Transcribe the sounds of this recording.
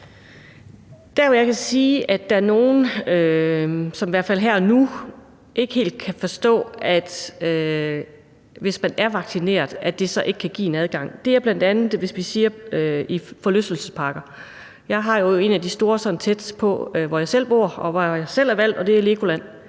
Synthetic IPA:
d̥æɐʋɒjɑ̈ɪkʰæsiːʔæd̥ææɐno̝ːn̩ø | sɒmiʋæɐ̰d̥fæl̰ɦæɐ̰ɒnu | ʔe̝ɡ̥əhe̝̰ːld̥̚kʰæfɒ̽sd̥ɔ̰̽ːæd̥ø | ʋe̝smænæɐʋɑ̈ɡ̥sine̝̰ːɐðˠæd̥e̝sɒ̽ʔe̝ɡ̥kʰæɡ̥ḭːe̝næð̞ˠɡ̥ɑ̈ŋ̰d̥e̝æɐb̥læn̰d̥ænð̩ˠʋe̝sʋisiːɐøifɒ̽løsd̥l̩səspʰɑ̈ːɡ̥ɐ | jɑ̈ɪɦɑ̈jo̝e̝̰næd̥isd̥o̝ːɐsɒ̽n̩t͡sʰed̥pʰɒ̽ʋɒjɑ̈ɪsel̰b̥o̝ɐ̰ɒ̽ʋɒjɑ̈ɪsel̰æɐʋæl̰d̥ɒ̽d̥e̝æɐle̝kʰo̝læn̰

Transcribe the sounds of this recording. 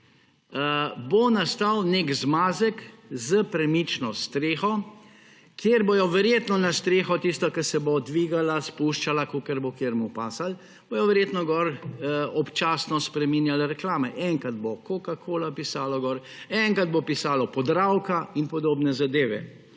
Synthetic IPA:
bonast̪awnekzmaːzəkzəpɾɛmit͡ʃnɔst̪ɾeːxɔ | kjeɾbojɔʋɛɾjeːt̪nɔnast̪ɾeːxɔt̪ist̪ɔkɛɾsɛbod̪ʋiːɡalaspuʃt͡ʃalakokəɾbokeːɾmupaːsal | b̥ojɔʋɛɾjeːt̪nɔɡɔɾɔpt͡ʃaːsnɔspɾɛmiːnjalɾɛklaːmɛʔɛŋkad̪bokokakʰoːlapisaːlɔɡɔːɾ | ɛŋkad̪̚bopisaːlɔpɔd̪ɾawkainpɔd̪oːbnɛzad̪eːʋɛ̰

